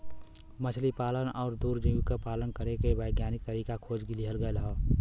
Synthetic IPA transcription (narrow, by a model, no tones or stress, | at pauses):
mət͡ʃʰlipaːlənɔːɾd̪uːɾd͡ʒimɪkapaːlənkəɾekeʋəɪɡjaːnɪk̚t̪əɾiːkakʰoːd͡ʒɡɪliɦəlɡəeləɦoː